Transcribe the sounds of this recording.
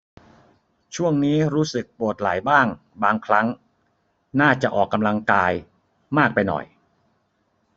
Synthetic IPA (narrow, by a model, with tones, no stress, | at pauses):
t͡ɕʰu˥˩əŋniː˦˥ɾuː˦˥sɯ˨˩k̚pu˨˩ət̪̚la̰˩˦jbaː˥˩ŋ | baː˧ŋkʰɾa˦˥ŋ | naː˥˩t͡ɕa˨˩ʔɔː˨˩kːa˧mla˧ŋkaː˧j | maː˥˩k̚pa˧jnɔ̰˨˩j